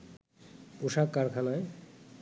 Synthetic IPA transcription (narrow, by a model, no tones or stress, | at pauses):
puʃakːaɾkʰalae